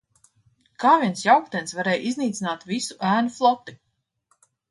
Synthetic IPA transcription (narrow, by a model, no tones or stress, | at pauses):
kaːviɛnsjawkt̪ɛnsvaɾɛːjʔizniːt̪sinaːt̪visu̥ʔæːnuflˠɔt̪i